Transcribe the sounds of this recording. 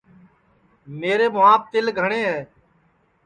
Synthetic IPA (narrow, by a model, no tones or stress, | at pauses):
meːɾeːmʊaːp̚t̪ɪlɡʱəɳeːɦɛː